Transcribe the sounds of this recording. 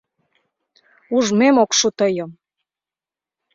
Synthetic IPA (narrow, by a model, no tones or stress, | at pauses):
uʒmemokʃut̪əjəm